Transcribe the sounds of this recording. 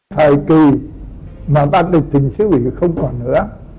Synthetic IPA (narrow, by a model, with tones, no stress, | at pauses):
t̪ʰaː˨˩jki˨˩ | maː˨˩ɓaː˧˥t̚li˨˩t̪ï˨˩ŋsɨ˨˦wḭ˧˨xə˧wŋ͡mkɔ˨˩nːɨ̰˧˥ə